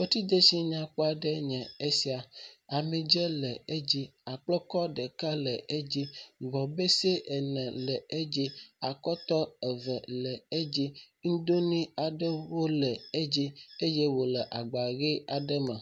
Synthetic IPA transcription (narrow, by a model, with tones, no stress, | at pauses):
we˦t̪i˦d̪e˦si˦ɲã˨ku˦a˨ɖɛ˦ɲɛ̃˨e˦si˦a˨a˨mĩ˨d͡ʒɛ˦lɛ˨e˦d͡ʑi˦a˨k͡plɔ˦kɔ˦ɖɛ˨ka˦lə˨ʔe˦d͡ʑi˦ɡ͡bɔ˨be˦se˦ʔɛ˨nɛ̃˨lɛ˨e˦d͡ʑi˦a˨kɔ˦t̪ɔ˦ɛ˨və˨lɛ˨e˦d͡ʑi˦ | ŋ̩˦d̪o˦nĩ˦a˨ɖə˦wo˦lɛ˨e˦d͡ʑi˦e˦je˦wo˨lɛ˨ʔa˨ɡ͡ba˨ɣe˦a˨ɖə˦mə̃˨